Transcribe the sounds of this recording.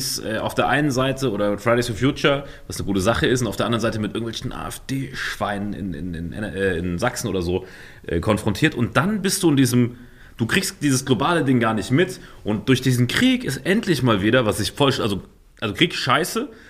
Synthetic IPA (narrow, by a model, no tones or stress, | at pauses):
sʔɛːʔaʊfd̥eːɐʔaɪnənzaɪtʰəoːɾɐfʁ̥aɪɾeɪsfɔɐfjuːt͡ʃɐ | vasnəɡuːtəzaχəɪstʊntaʊd̥eɐandɐʁənzaɪtəmɪtʔɪɐɡŋ̩tvɛlçn̩ʔa̰ːɛfd̥eːʃv̥aɪnənɪ̰nɪ̰nɪ̰nʔɛ̰ʔɛːɪnzaksn̩o̰ːdɐzoː | ʔɛ̰ːkʰɔnfʁ̥ɔntʰiːɐtʊnt̚d̥anbɪst̚d̥uːɪndiːzəm | d̥uːkʁ̥iːkstd̥iːzəsɡ̥lobaːlədɪŋɡaːɐnɪçtmɪtʔʊnt̚d̥ʊɐçd̥iːzn̩kʁ̥iːkɪsʔɛntʰlɪçmaːlviːdɐvasz̥ɪçfɔlʃʔalzo | ʔalzokʁ̥iːkʃaɪsə